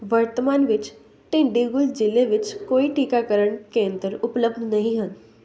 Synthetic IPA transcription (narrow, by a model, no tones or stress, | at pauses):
ʋəɾt̪əmaːnʋɪt͡ʃ | ʈẽɳɖiɡʊld͡ʒɪleʋɪt͡ʃkoːiʈiːkakəɾəɽkẽə̃nd̪əɾʊpləbd̪nɐɦĩɦən